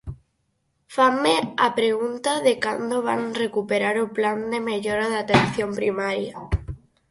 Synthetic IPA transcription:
fameapɾeɣunt̪aðekand̪oβa̰ŋrekupeɾaɾʊpland̪emeʎoɾaðat̪enθjompɾimaɾja

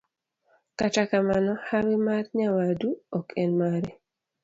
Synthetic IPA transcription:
katakamanɔhawimaɾɲawaduɔkʰenmaɾɛ

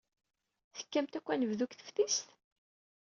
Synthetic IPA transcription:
θə̥kːæmt̪ækʷːænəvðukθə̥fθist̪

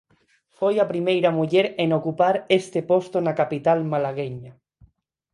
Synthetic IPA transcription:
fojapɾimejɾamuʎeɾenokupaɾest̪epost̪onakapit̪almalaɣ̞eɲa

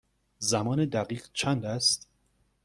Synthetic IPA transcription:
zæmɒːned̪æɣiːɢt͡ʃʰænd̪æst̪

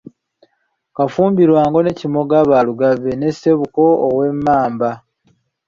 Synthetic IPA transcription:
kafuːmbiɾwaːŋɡo̞ne̞cimo̞ɡaːβaːluɡaβːenese̞βuko̞ːwe̞mːaːmba

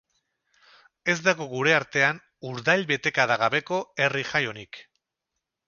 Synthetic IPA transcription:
e̞zd̪aɣoɣuɾe̞aɾt̪e̞an | uɾðajlβe̞t̪e̞kaðaɣaβe̞ko̞e̞riʝajo̞nik

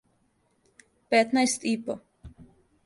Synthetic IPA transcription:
pet̪najst̪ipo

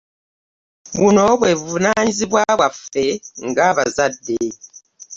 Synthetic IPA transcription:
bunɔbwɛvunanzibwabafɛŋɡabazadeː

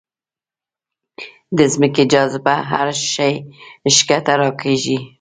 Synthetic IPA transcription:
d̪əzməked͡ʒɑzɪbaɦa̰ɾʃajʃkat̪aɾɑkeʒi

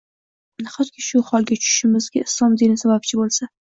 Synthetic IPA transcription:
naχat̪kʲʰɪʃʊhɒlˠɡʲat͡ʃʰʊʃʃɪmɪzɡʲaɪslˠɒmd̪inɪsabap̚t͡ʃʰɪbolˠsa

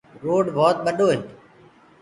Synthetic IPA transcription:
ɾoːɖbʱɔːt̪̚ɓəɗoːɦɪnt̪

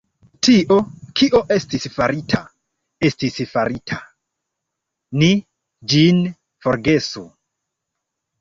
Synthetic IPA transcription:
tiʔo̞kʰiʔo̞ʔe̞stisfaɾitʰa̰ | e̞stisfaɾitʰa | ni | d͡ʒin | fo̞ɾɡe̞su

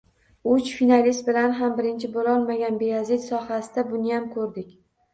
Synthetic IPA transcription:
ʊt͡ʃfinalist̪̚bɪlanɦambɪɾɪnt͡ʃʰɪbolɒlˠmaɡʲanbeazɪt̪sɒhasɪd̪̥abʊnɪjamkʰɵɾd̪ɪkʲ

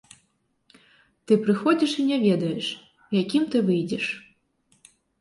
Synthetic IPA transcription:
t̪ɨpɾɨxɔd͡zʲiʂinʲɛvʲɛd̪ɐjɛʂ | jakʲimt̪ɨvɨjd͡zʲɛʂ

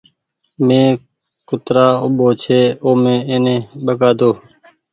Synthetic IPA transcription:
mẽː | kʊt̪ɾaːʊɓoːt͡ʃʰeːoːmẽːeːnẽːɓəɡaːd̪oː

